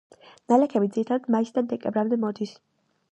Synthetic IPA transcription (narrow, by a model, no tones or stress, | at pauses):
nalɛkʰɛbid̪ziɾit̪ʰad̪ad̪maisd̪ad̪ɛkʼɛbɾamd̪ɛmɔd̪is